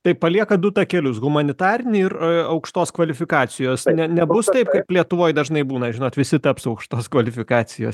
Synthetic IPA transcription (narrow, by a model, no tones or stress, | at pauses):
t̪ɐɪpɐlʲiɛkɐd̪ʊt̪ɐkʲɛlʲʊsɣʊmɐnʲɪt̪ɑːɾʲɪnʲɪɪrɐʊkʃt̪oːskʋɐlʲɪfʲɪkɑːt͡ssʲɪjoːsnʲɛnʲɛbʊst̪ɐɪpkɐɪplʲiɛt̪ʊʋoːjd̪ɐʒnɐɪbuːnɐʒʲɪnoːt̪ʋʲɪsʲɪt̪ɐpsɐʊkʃt̪oːskʋɐlʲɪfʲɪkɑːt͡s̪ʲɪjo̰ːs